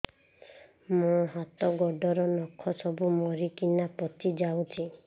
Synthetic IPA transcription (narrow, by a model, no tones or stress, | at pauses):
mɔɦat̪ɔɡɔɖɔɾɔnɔkʰɔsɔbumɔɾikinapɔt̪id͡ʒawt͡ʃʰi